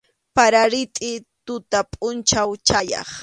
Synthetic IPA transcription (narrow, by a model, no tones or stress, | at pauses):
paɾaɾɪt̪ʼɪt̪ʊt̪apʼʊnt͡ʃawt͡ʃajɑ̰χ